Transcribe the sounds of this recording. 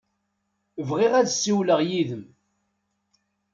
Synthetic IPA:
vʁiʁæðsːiwləʁjiðəm

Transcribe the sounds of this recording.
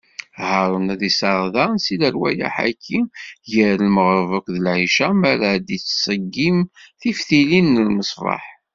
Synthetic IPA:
həɾˤənæðisɑɾˤðɑnsiləɾwæ̰ja̰ħa̰kʰːijəɾəlməʁɾˤvəkʷðəlʕiʃæmæɾæd̪it͡sːsˤəɡːimθifθilinːəlməsˤvˤɑ̰ħ

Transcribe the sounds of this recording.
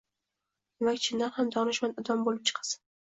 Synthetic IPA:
d̪emakʲt͡ʃʰɪnd̪anhamd̪ɒnɪʃmanɪd̪ɒmbolɪp̚t͡ʃʰɨ̥qʰɑ̥sɪ̥n

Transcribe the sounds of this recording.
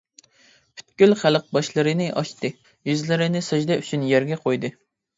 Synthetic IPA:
pʰy̥t̪̚kʲylχæləq̚bɑʃlˠɨɾɨnɨʔɑʃt̪ɨ | jyzlɪɾɪnɪsɨd͡ʒd̪ɛyt͡ʃʰynjæɾɡʲɛqʰojd̪ɨ

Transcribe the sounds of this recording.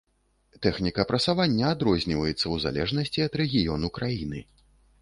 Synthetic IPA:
t̪ɛxnʲikɐpɾɐt̪savanʲːɐːd̪ɾɔzʲnʲivɐjɛt̪sːɐwza̰lʲɛʐnɐsʲt͡sʲiɐd̪ɾɛɣʲijɔnukɾajinɨ

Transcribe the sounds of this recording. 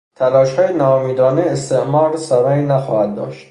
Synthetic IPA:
t̪ʰælɒːʃhɒːjenɒːmiːd̪ɒːneːst̪eʔmɒːɾsæɾæinæxɒːhæd̪ːɒ̰ːʃt̪

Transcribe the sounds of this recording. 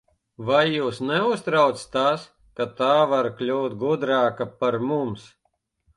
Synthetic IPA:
vajːuːsnɛust̪ɾawt̪st̪as | kat̪aːvaɾklʲuːt̪̚ɡud̪ɾaːkapaɾmums

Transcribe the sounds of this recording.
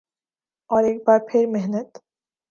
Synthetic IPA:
ɔɾek̚baːɾpʰeɾmeɦnɛt̪

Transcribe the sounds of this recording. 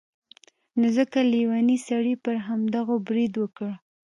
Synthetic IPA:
nozəkaliwɑnisaɽipəɾɦamd̪aɣobɾid̪wəkəɽ

